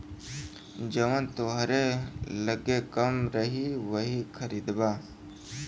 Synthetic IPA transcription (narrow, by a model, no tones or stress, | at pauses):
d͡ʒəʋənt̪oɦɾeləɡekəmɾəɦiʋəɦikʰəɾiːd̪baː